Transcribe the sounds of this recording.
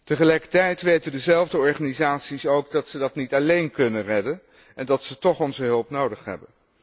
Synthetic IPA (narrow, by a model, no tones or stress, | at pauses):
təχəlɛjkəɹtɛjtʋejtəndəzɛlˠvdəɔɹχaːnizaːtsisowɡdɑtsədɑtnitɑlejnkɵnənrɛdən | ɛndɑtsətɔχɔnzəɦɵlˠpnowdəχɦɛ̰bən